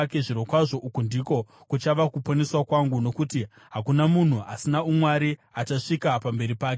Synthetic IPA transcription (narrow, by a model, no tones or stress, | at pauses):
ke̞ʐiɾo̞kwaʐo̞ʔukundiko̞ | kut͡ʃaʋakuponeswakwaŋɡuno̞kuti | ɦakunamun̤uʔasinaumwaɾiat͡ʃaʂikapambe̞ɾipaːke